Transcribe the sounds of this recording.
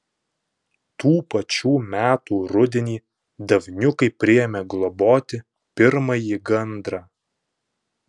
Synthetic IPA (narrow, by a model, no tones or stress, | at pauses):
t̪uːpɐt͡ʃʲuːmʲæːt̪uːɾʊd̪ʲɛnʲiː | d̪ɐʋʲnʲʊkɐɪpʲɾʲɪjɛmʲɛɡlˠɔboːt̪ʲɪ | pʲɪɾmɐjiɡɐnd̪ɾɑː